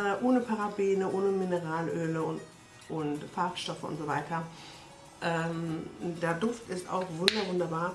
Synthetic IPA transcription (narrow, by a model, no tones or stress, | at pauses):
ʔoːnəpʰaʁabiːnəʔoːnəmɪnəʁaːlʔøːlə | ʔʊntfaɐkʃtɔfəʔʊ̰ntz̥ovaɪtʰɐ | ʔɛːmdeːɐdʊftɪsta̰ʊxv̥ʊndɐvʊndɐbaːɐ